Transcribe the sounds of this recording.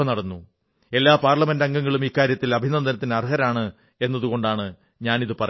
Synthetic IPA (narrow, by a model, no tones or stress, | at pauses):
ɐnɐɽɐnːu | e̞lːaːpaːrɭɐme̞ndɐŋɡɐŋːɐɭumiːkːaːɾjɐt̪ːilɐbʱinɐnd̪ʱɐnɐt̪ːinɐrɦɐɾaːɳɨ | e̞nːɐðuɣo̞ɳɖaːɳɨ | ɲaːniðɨpɐrɐ